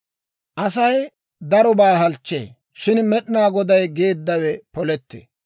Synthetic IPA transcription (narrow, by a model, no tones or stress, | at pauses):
ʔɐsɐj | d̪ɐɾɔbaːɦɐlt͡ʃːḛː | ʃɪnmɛɗɪnaːɡɔd̪ɐjɡe̞ːd̪ːɐwɛpɔlɛt̪ːḛː